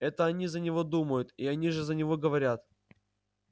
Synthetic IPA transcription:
ɛt̪əɐnʲizənʲɪvo̞d̪uməjʊt̪iɐnʲiʐɨzənʲɪvo̞ɡəvɐɾʲat̪

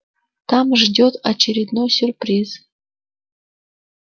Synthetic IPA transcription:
t̪ɑmʐdʲot̪at͡ɕeɾʲid̪nojsʲyrprʲiz

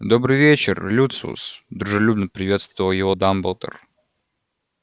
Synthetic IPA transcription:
d̪obɾɨjvʲet͡ɕɪrlʲut̪sṵsd̪ɾʊʐɨlʲubnəpɾʲɪvʲe̞t̪st̪vəvəlˠjɪvod̪ambəlˠt̪ə̰r

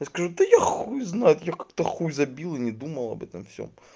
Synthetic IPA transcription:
jaskɐʐud̪əjaxujznajʊt̪jakḁkt̪ɐxujʲzɐbʲilˠɨnʲɪd̪uməlˠɐ̰bɛ̰t̪əmfsʲo̰m

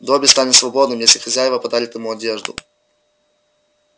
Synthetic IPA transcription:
d̪obʲɪst̪anʲɪt̪svɐbod̪nɨmjesʲlʲɪxɐzʲajɪvəpɐd̪alʲɪt̪jɪmuɐdʲeʐd̪ʊ̰

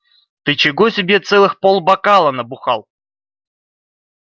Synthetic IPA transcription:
t̪ɨt͡ɕɪɡosʲɪbʲet̪sɛlˠɨxpolˠbɐkalˠənəbʊxalˠ

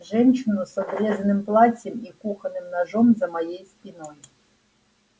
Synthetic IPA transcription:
ʒɛnʲt͡ʃɪnʊsɔbɾʲɛzɐnɪmplˠat͡sʲɛmikuxɐnɪmnɐʐɔmzɐmɐjɛjsʲpʲinɔjʊ

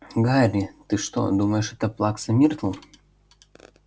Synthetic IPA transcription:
ɡaɾʲit̪ɨʂt̪o̰d̪uməjɪʂɛt̪əplˠaksɐmʲirt̪lˠə

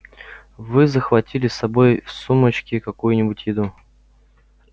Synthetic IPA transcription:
vɨzəxvɐtʲilʲɪsɐbo̞jfsumət͡ɕkʲɪkɐkujʊnʲɪbʊtʲjɪd̪u

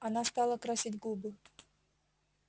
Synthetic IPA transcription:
ɐnast̪ɑlˠəkɾasʲitʲɡubɨ

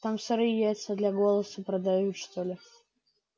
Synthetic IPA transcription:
t̪amfsʲɔɾɨjæjɪt̪səd̪lʲaɡolˠəsəpɾəd̪ajut̪ʂt̪olʲɪ

